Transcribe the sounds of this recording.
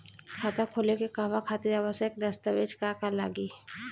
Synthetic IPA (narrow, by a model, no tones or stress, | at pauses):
kʰaːt̪akʰoːlekekaːʋakʰaːt̪ɪɾaːʋəsjəkd̪ɐst̪aʋeːd͡ʒkakala̰ːɡiː